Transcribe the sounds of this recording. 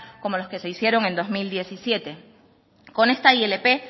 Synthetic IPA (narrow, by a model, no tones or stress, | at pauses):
ko̞mo̞lo̞ske̞se̞isje̞ɾo̞ŋe̞nd̪o̞zmild̪je̞sisje̞t̪e̞ | ko̞ne̞st̪aiele̞pe̞